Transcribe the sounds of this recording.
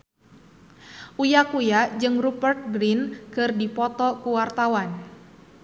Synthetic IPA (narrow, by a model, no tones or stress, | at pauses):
ʔujakujad͡ʒɨŋrupərt̪̚ɡɾinkɨrdipɔt̪ɔkuwart̪awan